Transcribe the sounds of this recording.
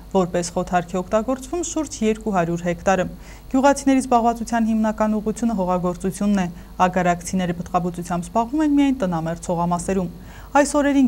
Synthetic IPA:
vɔɾpɛsχɔt̪ʰɑɾkʰɛɔkʰt̪ɑɡɔɾt͡svumʃuɾd͡ʒjɛɾkuɦɑɾjuɾɦɛkʰt̪ɑɾə | ɡ̥juʁɑt͡sʰinɛɾizbɑʁvɑt͡sut͡sʰjɑn̪himnɑkɑnuʁut͡sʰjunəɦɔʁɑɡɔɾt͡sut͡sʰjunːɛ | ɑɡɑɾɑkʰt͡sʰinɛɾəpət̪qɑbut͡sut͡sʰjɑmbzbɑʁvumɛnmijɑjnt̪ənɑmɛɾt͡sʰɔʁɑmɑsɛɾum | ɑjsɔɾɛɾin

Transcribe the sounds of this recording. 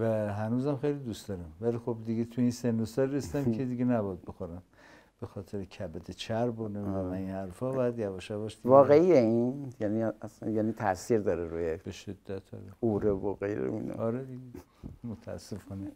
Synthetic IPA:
væɦænuːzæmxejlid̪ust̪ɒɾæmvælixobd̪iɡet̪ʰueinsend̪ost̪ɒɾresid̪æmkʰʲed̪iɡenæbɒjæd̪̚bexoɾæm | b̥exɒːt̪ʰeɾekʰæbæd̪ʰet͡ʃʰæɾboneæmæinhæɾfɒbɒjæd̪jævɒʃævɒʃd̪ivɒːɣeijeinjæniasænjænit̪ʰæsiɾd̪ɒːɾeɾujeb̥eʃed̪̥ːæt̪ʰɒ̰ɾeuɾevoɣejɾḛḭnḛɒɾed̪iɡe | mot̪ʰæ̰sːefɒːne

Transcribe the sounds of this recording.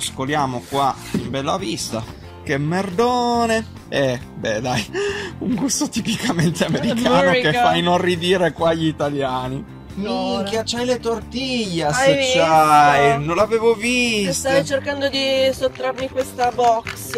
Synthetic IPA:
skoljaːmokwa | imbɛlːavist̪a̰ | k̟emːerd̪oːne | ɛbɛd̪ajuŋɡust̪ot̪ipikament̪eameɾikaːnokeffːajnonrːid̪iːɾekwaʎːiːt̪aljaːni | mikjat͡ʃːajlet̪ort̪iʎːaet͡ʃːajnõnlːaveːvovist̪ajt͡ʃerkand̪od̪isot̪ːɾarmikwest̪abɔks

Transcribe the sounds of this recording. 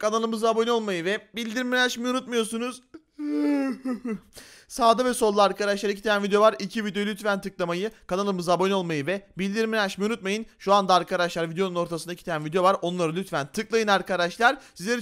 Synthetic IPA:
kʰanalˠɯmɯzabo̞nʲio̞lˠmajɯvɛbilʲd̪iɾminaʃmijunut̪mujo̞sunuz̥ | saːd̪avɛso̞lˠːaaɾkad̪aʃlˠaɾac̬ʰi̥t̪ʰejænvid̪ejo̞vaɾicʰivid̪eo̞jylʲyt̪fænt̪ʰɯklˠamajɯkanalˠɯmɯzabonʲio̞lˠmajɯvɛbilʲd̪iɾminaʃmijunut̪̚majɯnʃuand̪aːɾkʰad̪aʃlˠaɾvid̪ejo̞nuno̞ɾt̪ʰasɯnd̪acʰi̥t̪ejænvid̪ejo̞vaɾo̞nlˠaɾɯlʲyt̪fænt̪ʰɯklˠajɯnaɾkad̪aʃlˠaɾsizlʲeɛɾ

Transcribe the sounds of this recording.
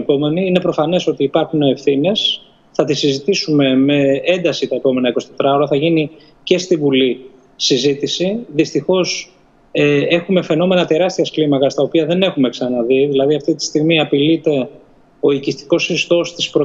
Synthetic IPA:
po̞me̞niine̞pɾo̞fɐne̞so̞t̪iːpɐɾxuneːfθine̞s | θɐt̪isizit̪isume̞me̞end̪ɐsit̪ɐepo̞me̞nɐiko̞sit̪et̪ɾɐoɾɐθɐʝini | ce̞st̪ivuli | sizit̪isiðist̪ixo̞s | ee̞xume̞fe̞no̞me̞nɐt̪e̞ɾɐst̪iɐsklimɐkɐst̪ɐo̞piɐðe̞ne̞xume̞ksɐnɐðiðilɐðiɐft̪it̪i̥st̪iɣmiɐpilit̪e̞ | o̞icist̪i̥ko̞sist̪o̞st̪i̥spɾo

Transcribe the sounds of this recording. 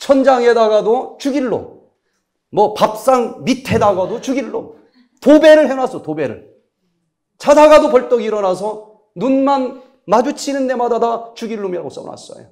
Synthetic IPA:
t͡ɕʰʌnd͡ʑaŋe̞daɡadot͡ɕuɡiɭːo̰mː | ʌpap̚s͈aŋmitʰe̞daɡadot͡ɕuɡiɭːo̰m | tobe̞ɾɯɭɦenasʰʌtobe̞ɾɯ̰ɭ | t͡ɕʰadaɡadopʌɭt͈ʌɡiɾʌnasʰʌ | nunman | mad͡ʑut͡ɕʰinɯnde̞madadat͡ɕuɡiɭːomiɾaɡos͈ʌ̰na̰s͈ʌ̰jo̰

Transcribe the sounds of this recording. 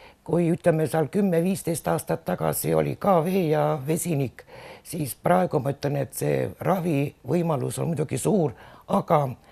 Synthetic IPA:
kujyt̪lemːesiɑlkymːeviːst̪ejst̪ɑːst̪ɑt̪ːɑkɑ̰sio̞̰lʲḭkɑːve̞ːjɑve̞sʲiniksiːsprɑe̞ɡ̥umɑyt̪lene̞t̪sḛːrɑvivɤjmɑlṵso̞̰nmud̪uɡ̥isuːrɑkɑ

